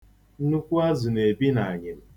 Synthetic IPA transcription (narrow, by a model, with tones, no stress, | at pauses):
nu˦kʷu˦a˦zʊ˨ne˨bi˦na˨a˨ɲɪ˨m̩˦